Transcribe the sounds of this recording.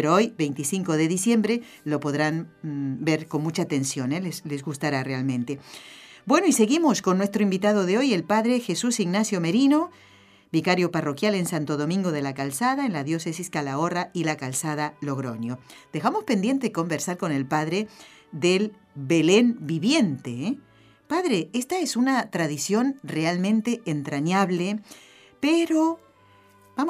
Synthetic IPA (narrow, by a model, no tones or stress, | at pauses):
peɾoo̞jbe̞jnt̪isiŋko̞ðe̞ðisje̞mbɾe | lo̞po̞ðɾanbeɾko̞nmut͡ʃaːt̪e̞nsjo̞neleslezɣust̪aɾarealmẽ̞nt̪e̞bwe̞no̞ise̞ɣimo̞skonːwest̪ɾoimbit̪aðo̞ðeo̞jelpaðɾexesusiɣnasjo̞meɾino̞ | bikaɾjo̞paro̞kjale̞nsant̪o̞ðo̞mĩŋɡo̞ð̞e̞lakalsaðaenlaðjo̞sesiskalaorailakalsaðalo̞ɣɾo̞̰njod̪̥e̞xamo̞spend̪je̞nt̪eeko̞mbeɾsaɾko̞ne̞lpaðɾe | ðel | βelenbiβje̞nt̪e | paðɾeest̪aesunat̪ɾaðisjo̞nrealmẽnt̪eːnt̪ɾaɲaβle | peɾo | bam